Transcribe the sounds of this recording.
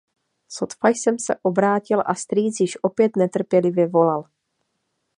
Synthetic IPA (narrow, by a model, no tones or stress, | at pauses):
sot̪fajsɛmsɛ̰ʔo̞bɾaːcɪlʔa̰st̪ɾiːt͡sjɪʃʔo̞pjɛt̪nɛt̪r̩pjɛlɪvjɛvo̞lal